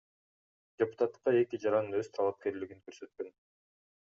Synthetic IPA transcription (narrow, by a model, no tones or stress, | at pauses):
dʲepʊ̥t̪at̪ːɯ̥qːɑe̞kid͡ʒɑɾɑnɯnø̞zt̪ʰɑlˠap̚ke̞ɾliɡiŋkøɾsø̞t̪̚kø̞n